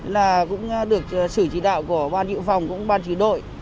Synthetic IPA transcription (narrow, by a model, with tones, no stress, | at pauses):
laː˨˩kʊ̰˧˥ŋ͡mɗɨ˨˩ək̚sɨ˧˩t͡ɕi˧˩ɗa̰ː˧˨wku˧˩əɓaː˧nkḭ˧˨wfa˨˩wŋ͡mkʊ̰˧˥ŋ͡mɓaː˧nt͡ɕi˧˩ɗo̰˧˨j